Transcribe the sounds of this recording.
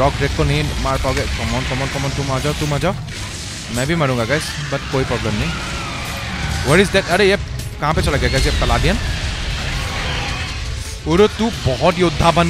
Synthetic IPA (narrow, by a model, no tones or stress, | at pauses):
ɔkɹɛkːɔnimaɹpawɡɛkɔmɔnkɔmɔnkɔmɔntʊmazatʊmaza | mɛ̃bimaɹũɡaɡajs | bat̚kojpɹɔblɛmnaj | wɔɹizd̪ɛtaɾeɛ | kãpɛt͡ʃɔlaɡaɡajs̬ɛpɛladijan | oɾotʊ̃bɔɦɔtjod̪ʱːaban